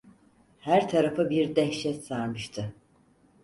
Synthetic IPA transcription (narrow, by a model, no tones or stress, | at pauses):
hæɾt̪ʰaɾafɯbiɾd̪ɛhʃɛt̪saɾmɯʃt̪ʰɯ